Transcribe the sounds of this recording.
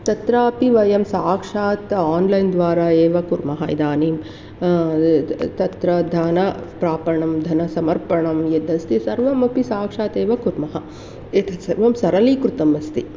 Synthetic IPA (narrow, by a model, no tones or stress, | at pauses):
t̪ɐt̪ɾaːɐpiʋɐjɐmsaːkʂaːt̪aːnlɐjnd̪ʋaːɾaːeːʋɐkuɾmɐɦɐḭd̪aːniːm | t̪ɐt̪ɾɐd̪ʱanɐpɾaːpɐɳɐmd̪ʱɐnɐsɐmɐɾpɐɳɐmjed̪ʱɐst̪isɐɾʋɐmɐpisaːkʂaːt̪eːʋɐkuɾmɐɦɐ | eːt̪ʰɐsɐɾʋɐmsɐɾɐlikɾut̪ɐmɐst̪i